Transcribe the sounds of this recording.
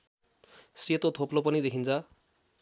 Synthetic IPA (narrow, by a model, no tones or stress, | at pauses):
set̪ot̪ʰoplopʌnid̪ekʰint͡sʰʌ